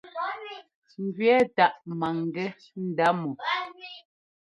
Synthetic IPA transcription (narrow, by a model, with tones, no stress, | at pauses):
m̩˦ɡɥɛ˦ta˦˨ʔma˨ŋ˨ɡɛ˦ | n̩˦da˦mɔ˨